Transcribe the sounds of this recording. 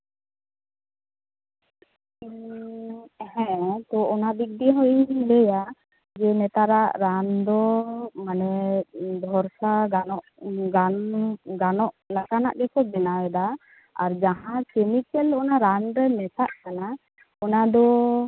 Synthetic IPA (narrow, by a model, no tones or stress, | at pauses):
i | hɛ̃t̪ɔɔnab̪ik̚diɦɔjnlɛja | d͡ʒɛnɛt̪aɾaʔɾand̪ɔmanɛd̪ʱɔɾsaɡanɔʔɡanɡanɔʔlakana̰ʔɡɛkɔbɛnawɛd̪a | aɾd͡ʒaɦãkɛmikɛlɔnaɾanɾɛmɛsaʔkana | ɔnad̪ɔ